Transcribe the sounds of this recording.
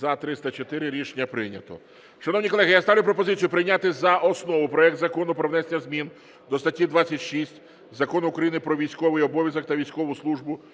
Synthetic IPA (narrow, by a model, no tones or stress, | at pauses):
zɐt̪ɾɪst̪ɐt͡ʃɔt̪ɪɾɪɾʲiʃnʲːɐpɾɪnʲɐ̰t̪ɔ̰ | ʃɐnɔwnʲikɔlˠɛɦɪjast̪ɑʋlʲʊpɾɔpɔzɪt͡sʲjʊpɾɪjnʲat̪ɪzɐʔɔsnɔʋʊpɾɔɛk̚t̪zɐkɔnʊpɾɔʋnɛsenʲːɐzmʲin | d̪ɔst̪ɐtʲːid̪ʋat͡sʲːɐtʲʃisʲtʲ | zɐkɔnʊːkɾɐjinɪpɾɔʋʲijsʲkɔʋɪjɔbɔʋʲjɐzɐk̚t̪ɐʋʲijsʲkɔʋʊslˠuʒbʊ